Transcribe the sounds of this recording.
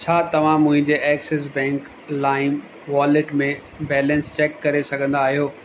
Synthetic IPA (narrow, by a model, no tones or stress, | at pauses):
t͡ɕʰaːt̪ɐʋ̤ãmʊ̃ɦɪ̃ɲd͡ʑeʔɛːkses̬bɛ̃ːŋk | laːɪ̃m | ʋaːlɪʈmẽ | bɛːlə̃nst͡ɕɛːkːɐɾesɐɡʱə̃n̆d̪aːɦijoː